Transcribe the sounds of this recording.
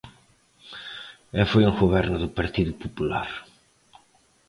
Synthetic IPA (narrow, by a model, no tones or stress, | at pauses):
ɛlfojuŋɣoβɛɾnʊðʊpaɾt̪iðʊpopulaɾ